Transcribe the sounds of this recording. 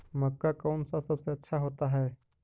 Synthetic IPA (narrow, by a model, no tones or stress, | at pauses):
mɐkːakaːnsasɐbseɐtːʃʰaɦoːt̪aɦɛː